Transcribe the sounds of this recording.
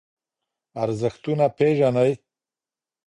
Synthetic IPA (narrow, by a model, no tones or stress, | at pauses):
aɾzəxt̪unapeʒanaj